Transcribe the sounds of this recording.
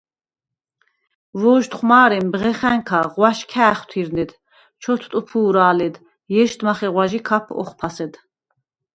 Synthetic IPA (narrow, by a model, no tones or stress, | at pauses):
vɔːʒt̪χmaːɾɛmbʁɛχæŋkʰaʁwaʃkʰæːχt̪ʰiɾnɛd̪ | t͡ʃʰɔt̪ʰt̪ʼupʰuːɾaːlɛd̪ | jɛʃt̪maχɛʁwaʒikʰapʰɔ̰χpʰasɛd̪